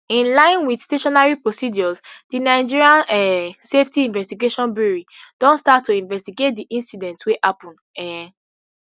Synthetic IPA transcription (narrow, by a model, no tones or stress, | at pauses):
ĩnlãɪ̃nwidsteʃɔnaɹipɹosidɔzdinaɪd͡ʒiɹiãnɛseftiĩnvɛstiɡeʃɔ̃nbuɹid̥ɔ̃nstatʰːuĩnvɛstiɡet̚diʔĩnsidɛ̃ntswehapɔ̃ndɛ